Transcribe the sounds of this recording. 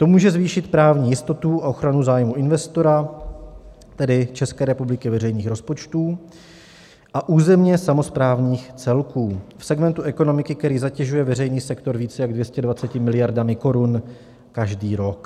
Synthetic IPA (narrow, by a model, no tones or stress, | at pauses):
t̪o̞muːʒɛzviːʃɪt̪pɾaːvɲiːjɪst̪o̞t̪uʔaʔo̞xɾanuzaːjmuʔɪnvɛst̪o̞ɾa | t̪ɛdɪt͡ʃɛskɛːɾɛpublɪkɪvɛrɛjniːxɾo̞spo̞t͡ʃt̪uː | ʔaʔuːzɛmɲɛsamo̞spɾaːvɲiːxt͡sɛlkuːfsɛɡmɛnt̪uʔɛko̞no̞mɪkɪkt̪ɛɾiːzacɛʒujɛvɛrɛjniːsɛkt̪o̞ɾviːt͡sɛjaɡdvjɛscɛdvat͡sɛcɪmɪlɪjaɾdamɪko̞ɾun | kaʒdiːɾo̞k